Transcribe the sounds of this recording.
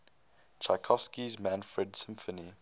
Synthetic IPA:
t͡ʃʰakʰɔfskizmæ̃nfɹɛdsɪ̃mfəni

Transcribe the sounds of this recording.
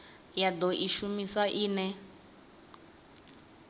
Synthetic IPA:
jad̪ɔʔiʃumisaʔiːnɛ

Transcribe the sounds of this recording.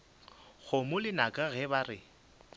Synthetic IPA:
ɣʊmʊlɪnakʼaɣɛbarɪ

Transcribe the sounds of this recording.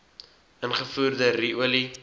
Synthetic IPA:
ʔənχəfuːrdəriuəli

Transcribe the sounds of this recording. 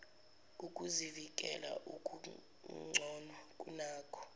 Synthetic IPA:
ukʼuzivikʼɛ̰la̰ʔukʼu | ŋ͡ǀʱɔnwakʼunaːkʰɔ̥

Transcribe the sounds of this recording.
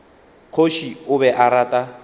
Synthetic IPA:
q͡χʰoʃiʊbɛʔaɾaːtʼa

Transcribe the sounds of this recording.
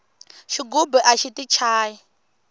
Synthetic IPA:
ʃiɡubɛʔaʃitʼit͡ʃʰaːji

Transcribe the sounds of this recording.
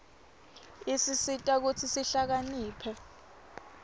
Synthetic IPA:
isisitʼak̬ut͡sʰisiɬak̬aniːpʰɛ

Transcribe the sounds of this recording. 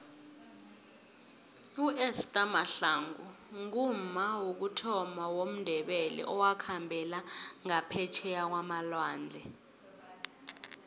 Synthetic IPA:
uʔɛstʼamaɬaŋɡṵŋummawok̬utʰɔmawom̩ndʱɛɓɛlɛ̰ʔɔwakʰambʱɛlaŋapʰɛt͡ʃʰɛjak̬wamalwaːnd͡ɮʱɛ

